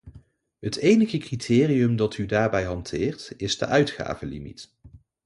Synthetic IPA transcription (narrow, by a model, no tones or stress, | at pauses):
ɦətʰejnəɣəkritʰɪːriɵmdɑtʰydaːɹbɛjɦɑntʰɪːɹtɪzdə̰ʔœɥtχa̰ːvəlḭmḭt